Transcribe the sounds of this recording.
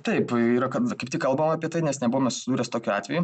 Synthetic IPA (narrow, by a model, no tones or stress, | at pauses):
t̪ɐɪpiːɾɐkɐt̪kɐɪpt̪ʲɪkɐlˠbɐmɑːpʲiɛt̪ɐɪnʲɛsnʲɛbuʋoːmnsʲʊsʲɪd̪uːɾʲɛːst̪oːkʲuɑːt̪ʲʋʲɛju